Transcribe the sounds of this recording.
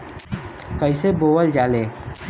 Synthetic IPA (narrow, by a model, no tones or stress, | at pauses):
kəɪseboːwəld͡ʒaːleː